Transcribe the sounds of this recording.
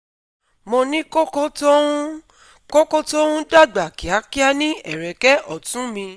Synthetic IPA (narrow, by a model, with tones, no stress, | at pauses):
mo˧nĩ˦ko˦ko˦tõ˦ | ko˦ko˦to˦ũ˦da˦˨ɡ͡ba˨ki˨a˨˦ki˦a˦nĩ˦ʔɛ˦˨ɾɛ˨kɛ˦ʔɔ˦˨tũ˨˦mĩ˧